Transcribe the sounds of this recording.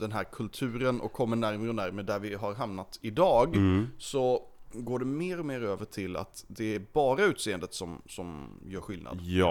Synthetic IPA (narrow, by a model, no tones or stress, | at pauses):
d̪̥ɛnɦæːɾkʰɵlt̪ʰʉ̟ːɾənʔɔ̰kʰːɔmːəɳæɾmɾəɔnæɾməd̪æɾvɪɦaɾɦamnat̪ɪd̪ɑːɡsɔɡoːɖɛmeːɾɔmeːɾøːvəʈʰɪlːa̰t̪d̪ɛæɾbɑːɾaʉ̟ːt̪seːənd̪ət̪sɔmsɔmjœːɾɧɪlnʔa̰d̪